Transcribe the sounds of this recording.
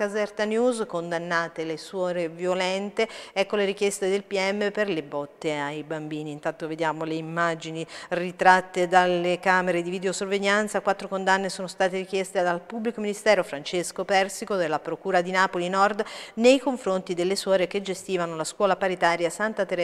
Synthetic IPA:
azɛrt̪anjuːzkond̪anːaːt̪eleswɔːɾevjolɛnt̪eɛkːoleɾikjɛst̪ed̪elpiɛmːeperlebɔt̪ːeajbambiːniːnt̪ant̪oved̪jaːmoleimːad͡ʒinirit̪ɾat̪ːed̪alekaːmeɾed̪ivid̪eosorveʎːant̪sakwat̪ːɾokond̪anːesoːnost̪aːt̪eɾik̟jɛst̪ed̪alpubːlikominist̪ɛːɾofɾant͡ʃeskopɛrsikod̪elːapɾokuːɾad̪inaːpolinɔrd̪nejkoɱfɾont̪id̪elːeswɔːɾek̟ed͡ʒest̪iːvanolaskwɔːlapaɾit̪aːɾjasant̪at̪eɾ

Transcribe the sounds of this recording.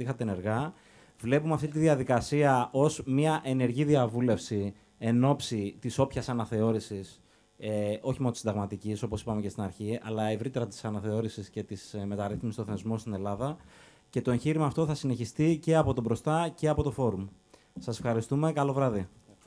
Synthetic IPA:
ixɐt̪ene̞ɾɣɐ | vle̞pumeɐft̪it̪iðiɐðikɐsiɐʔo̞zmɲɐʔe̞ne̞ɾʝiðiɐvule̞fsi | e̞no̞psit̪iso̞pçɐsɐnɐθe̞o̞ɾisis | o̞çimonot̪snd̪ɐɣmɐt̪iciso̞po̞sipɐme̞ce̞st̪inɐɾçiɐ̰lɐevɾit̪e̞ɾɐt̪i̥sɐnɐθe̞o̞ɾisisce̞t̪isme̞t̪ɐɾiθmistoθenizmo̞st̪ine̞lɐðɐ | ce̞t̪o̞eɲçiɾimɐːft̪o̞θɐsine̞çist̪ice̞ɐpo̞t̪o̞bɾo̞st̪ɐce̞ɐpo̞t̪o̞fo̞ɾum | sɐse̞̥fxɐɾist̪ume̞kɐlo̞vɾɐði

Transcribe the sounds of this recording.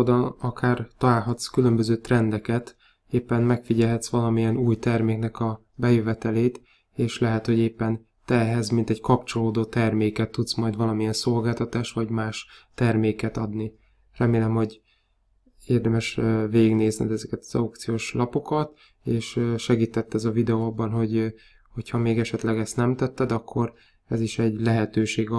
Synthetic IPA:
d̪ɒnɒkʰaːrt̪ɒlaːlɦɒt̪skylømbøzøːt̪rɛnd̪ɛkɛt̪ | eːpːɛnmɛkfiɟɛlɦɛt̪sʋɒlɒmijɛnuːjt̪ɛrmeːknɛkɒ | bɛjøvɛt̪ɛleːt̪ | eːʃlɛɦɛt̪ho̞ɟeːpːɛn | t̪ɛɦɛzmint̪ɛɟkɒpt͡ʃo̞loːd̪oːt̪ɛrmeːkɛt̪ːut̪smɒjd̪vɒlɒmijɛnso̞lɡaːlt̪ɒt̪aːʃʋɒɟmaːʃt̪ɛrmeːkɛt̪ɒd̪ni | rɛmeːlɛmho̞ɟ | eːrd̪ɛmɛʃveːɡiɡneːznid̪ɛzɛkɛt̪ɒ̥zɒ̰wk̚t̪sijoːʃlɒpo̞kɒt̪ | eːʃøʃɛɡiːt̪ɛt̪ːɛzɒvid̪ɛoːɒbːɒnɦo̞ɟ | ho̞chɒmeːɡɛʃɛt̪lɛɡɛst̪nɛmt̪ɛt̪ːɛd̪ɒkʰːo̞r | ɛziʃɛɟlɛɦɛt̪øːʃeːɡ

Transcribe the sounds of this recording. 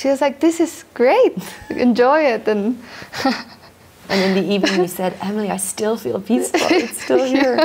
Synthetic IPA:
ʃiʌzlaɪk̚ðɪsɨz̥ɡ̥ɹeɪt̚ɨ̰̃nd͡ʒɔɪɪtɨ̃n | ʔɨ̃nɨ̃nðiʔivnɪ̃ŋjɨsɛɾɛml̩ˠiaɪstɪlˠfḭlˠpʰisfl̩ˠɨtstɪlˠhiɹ

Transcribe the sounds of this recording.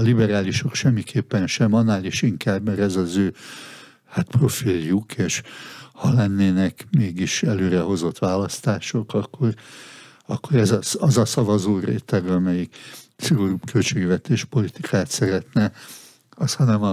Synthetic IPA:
libɛɾaːliʃo̞kʃɛmːikʰeːpːɛnʃɛmɒnːaːliːʃiŋkaːbmɛɾɛzɒzøː | hat̪pro̞filjukeːʃhɒlɛnːeːnɛkmeːɡiʃɛløːɾɛɦo̞zo̞t̪ːʋaːlɒst̪aːʃo̞kɒkːo̞r | ɒkːoɾɛzɒsɒzɒsɒvɒzoːrḛːt̪ɛɡɒmɛjiksiɡoɾubkʰølt͡ʃeːɡʋɛt̪eːʃpo̞lit̪ikʰaːt̪sɛɾɛt̪nɛ | ɒshɒnɛmɒ

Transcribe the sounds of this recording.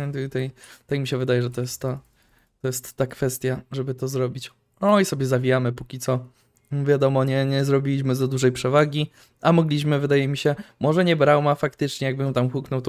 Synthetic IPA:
t̪jt̪ajt̪ajmʲiɕɛvɘd̪ajɛʐɛt̪ɔjɛst̪ːa | t̪ːɔjɛst̪ːakfɛst̪ʲjaʐɛbɘt̪ɔzɾɔbʲit͡ɕ | ɔisɔbʲjɛzavʲijamɘpukʲit̪sɔ | vʲjad̪ɔmɔɲɛɲɛzɾɔbʲilʲiɕmɘzad̪uʐɛjpʂɛvaɡʲi | amɔɡlʲiɕmɘvɘd̪ajɛmʲiɕɛmɔʐɛɲɛbɾawmafakt̪ɘt͡ʂɲɛjaɡ̚bɘjɛ̃t̪amxuknɔwt̪ɔ

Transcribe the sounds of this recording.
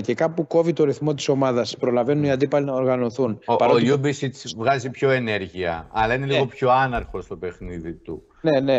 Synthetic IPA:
ce̞kɐpuko̞vit̪o̞ɾiθmo̞t̪̬i̥so̞mɐðɐspɾo̞lɐve̞nuniɐnd̪ipɐlinɐoɾɣɐno̞θunopɐɾoojubisit̪t͡svɣɐzipço̞e̞ne̞ɾʝiɐ̰ɐlɐine̞liɣo̞pço̞ɐnɐɾxo̞st̪o̞pe̞xniðit̪ṵ | nene̞

